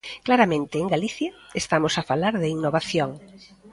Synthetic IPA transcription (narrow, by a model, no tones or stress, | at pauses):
klaɾamẽnt̪ɪːŋɡaliθjaest̪amosafalaɾðɪiŋnoβaθjoŋ